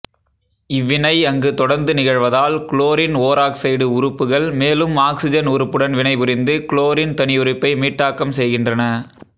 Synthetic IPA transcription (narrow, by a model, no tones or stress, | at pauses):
ɪʋːɪnɐɪɐŋɡɯt̪ɔɽɐɾnd̪ɯnɪɣɐɻʋɐðaːlkɭoːɾɪnoːɾaːksɐjɽɯʊrɯpːɯɣɐɭmeːlɯmaːksɪd͡ʒɐnuːɾɯpːɯɽɐnʋɪnɐɪpʊɾɪnd̪ɯkɭoːɾɪnt̪ɐnɪjʊɾɪpːɐɪmiːʈːaːkːɐmsɛjɣɪndrɐnɐ